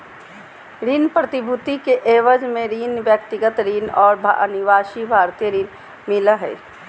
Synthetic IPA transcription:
ɾiːnpɾət̪ɪbʱʊt̪ikeʔeːʋəd͡ʒmẽɾiːnʋjək̚t̪ɪɡət̪ɾiːnɔːɾbʱa̰ə̰niʋaːʃibʱaːɾt̪ijəɾiːn | mɪlaɦɛ̰ː

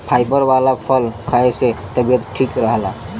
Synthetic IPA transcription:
pʰajbəɾbalapʰəlkʰaeset̪əbijət̪ʈʰikɾəɦla

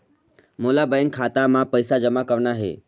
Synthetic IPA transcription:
molabəjəŋkʰat̪amãpəjsad͡ʒəmakəʋɳaɦḛ

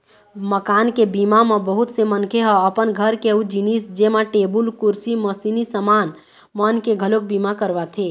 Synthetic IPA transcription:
məkaːnkebimamẽbəɦut̪semənkʰeɦɔəpənɡʱəɾkeud͡ʒinisd͡ʒemaʈebulkuɾsiməsinisəmaːn | mənkeɡʱəlok̚bimakəɾʋat̪ʰe

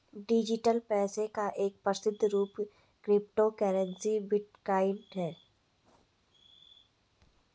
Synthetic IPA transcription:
ɖɪd͡ʒɪʈəlpɛːsekaʔeːk̚pɾəsɪd̪ʱːɾuːp | kɾɪp̚ʈokɛːɾə̃nsibɪʈ̚kaːɪɳɖɦɛː

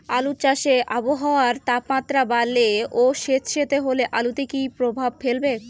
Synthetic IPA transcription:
alut͡ɕaʃeʔaboɦaoaɾt̪apmat̪ːɾabalːeoʃet̪ʃet̪eɦoleʔalut̪ekipɾobʱab̚felbe

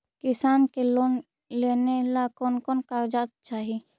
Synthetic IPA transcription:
kɪsaːnkelon | leːnelakɔːnkɔːnkaːɾd͡ʒaːt̪̚t͡ʃaːɦi

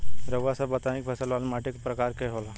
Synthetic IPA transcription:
ɾəʋasabət̪aikbʰʱəsəlʋalmaʈikpɾəkaɾkeɦola

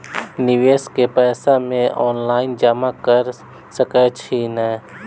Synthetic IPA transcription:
nɪʋeːskepɛːsamẽʔɔːnlaːɪnd͡ʒəmakəɾ | səkɛt͡ʃʰinɛː

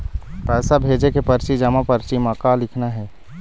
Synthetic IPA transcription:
pɛːsabʱeːd͡ʒekepəɾt͡ʃid͡ʒamãpəɾt͡ʃimãkalɪkʰnaɦɛː

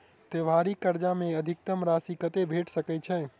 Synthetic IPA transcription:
t̪eʋʱaɾikəɾd͡ʒamẽəd̪ʱɪk̚t̪əmɾasikət̪ebʱeʈʰsəkɛt͡ʃʰə̃

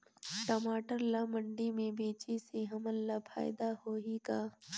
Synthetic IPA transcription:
ʈəmaːʈəɾlamə̃ɳɖimẽbeːt͡ʃiseɦɐməllapʰa̰ːɪd̪ahoːɦikaː

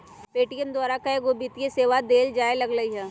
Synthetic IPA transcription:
peːʈijənd̪waːɾakaeɡobit̪jeseːʋad̪eːld͡ʒaːelɐɡɾəiɦɛː

